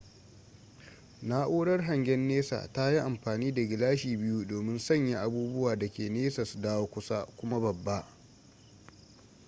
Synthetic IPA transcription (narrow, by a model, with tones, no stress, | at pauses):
na˦ʔoː˦ɽɐ˦rɦa˨ŋɡʲɛ˦nːeː˦sa̰ː˨ta˦ji˦ʔa˨mɸaː˨niː˦da˨ɡʲɪ˨laː˦ʃiː˨bɪ˦ju˦doː˨mɪ˦nsɐ˦˨ɲja˦ʔa˦buː˦bʊ˦waː˨da˨kʲeː˨neː˦sɐ˨sdaː˦woː˦kʷʊ˦sa˦kʷʊ˦ma˦bɐ˨bːa˦ʔ